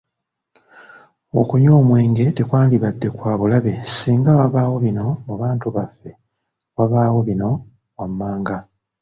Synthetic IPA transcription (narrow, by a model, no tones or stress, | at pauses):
o̞kuɲo̞ːmwe̞ːŋɡe̞te̞kwaːndiβadːe̞kwaːβulaβe̞siːŋɡawaβaːwo̞βino̞muβaːntuβafːe̞ | waβaːwo̞βino̞ | wamːaːŋɡa